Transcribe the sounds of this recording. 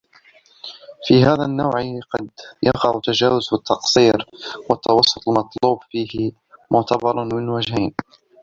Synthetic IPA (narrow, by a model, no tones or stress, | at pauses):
fiːɦaːðanːawʕqɑd̪jɑqɑʕʊt̪ːad͡ʒaːwʊzfɪt̪ʰːɑqsˤiːɾwɑt̪ːɑwɑsˤːʊt̪ˤlmɑt̪ˤluːbfiːhɪ | mʊʕt̪ʰɑbɑɾˤmɪnwad͡ʒhajn